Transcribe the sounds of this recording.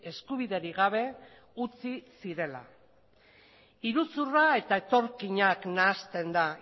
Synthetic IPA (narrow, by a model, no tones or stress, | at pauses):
e̞skuβiðe̞ɾiɣaβ̞e̞ | ut͡sisiɾe̞la̰ | iɾut͡surae̞t̪ae̞t̪o̞ɾkiɲaknaːst̪e̞nd̪a